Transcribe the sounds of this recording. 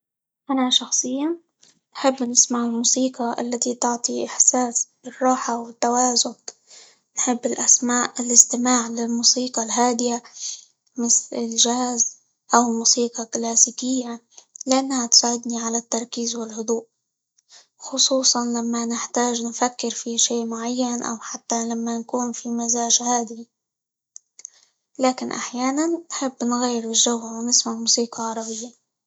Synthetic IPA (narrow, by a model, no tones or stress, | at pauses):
ʔanaʃɑxsˤɨjːa | nħɪbːnɪsmaʕɪlmuːsiːqɑʔa̰lːat̪it̪ʊʕt̪ˤiʔɪħsaːs | ɪrˤːɑːħawɪt̪ːawaːzʊn | nħɪbːɪlʔasmaːʔɪlʔɪst̪ɪmaːʕlɪlmuːsiːqɑlɦaːd̪ɪja | mɪθlɪlʒahːz | ʔawlmuːsiːqɑklaːsiːkɪjːa | lɪʔanːhat̪saːʕɪd̪niʕalat̪ːɑɾˤkiːzwɪlhʊd̪ˤuːʔ | xʊsˤuːsˤɑnlamːanɪħt̪aːʒnfakːɪɾfiʃeːʔmʊʕajːanʔa̰wħat̪ːalamːankuːnfimazaːʒhaːd̪i | laːkɪnʔa̰ħjaːnanːħɪbːnɣajːɪɾɪlʒawhawnɪsmaʕmuːsiːqɑʕɑɾˤɑbɪjːa